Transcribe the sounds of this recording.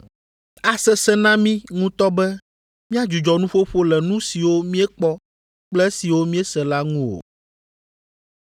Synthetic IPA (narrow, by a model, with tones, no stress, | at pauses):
a˨sɛ˦sɛ˦nã˦mĩ˦ŋũ˦t̪ɔ˦bɛ˦ | mĩ˦a˦d͡ʒu˨d͡ʒɔ˨nũ˦ɸo˦ɸo˦lɛ˨nũ˦si˨wo˦mĩ˦ɛ˦k͡pɔ˦ | k͡plɛ˦si˨wo˦mĩ˦ɛ˦sɛ˨la˦ŋũ˦o̰˨